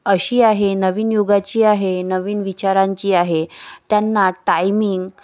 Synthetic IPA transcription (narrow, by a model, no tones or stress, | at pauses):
əɕiːaɦenəʋiːnjoɡat͡ɕiːaɦenəʋiːnʋit͡ɕaɾãɲt͡ɕiːaɦet̪janːaʈajmiŋɡ